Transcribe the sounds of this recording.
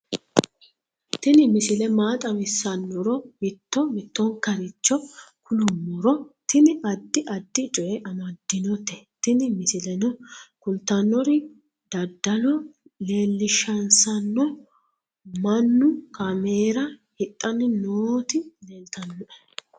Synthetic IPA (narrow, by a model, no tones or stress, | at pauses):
t̪ɪnɪmɪsɪlɛmaːt̪ʼɐmɪsːɐnːɔɾɔmɪt̪ːɔmɪt̪ːɔŋkɐɾɪt͡ʃːɔkʰʊlʊmːɔɾɔt̪ɪnɪɐd̪ːɪʔɐd̪ːɪt͡ʃʼɔjɛʔɐmɐd̪ːɪnɔt̪ɛ̥t̪ɪnɪmɪsɪlɛnɔkʊlt̪ɐnːɔɾɪ | d̪ɐd̪ːɐlɔle̞ːlːɪʃɐnsɐnːɔ | mɐnːʊkʰɐmeːɾɐhɪt̪ʼːɐnɪnoːt̪ɪleːlt̪ɐnːɔɛ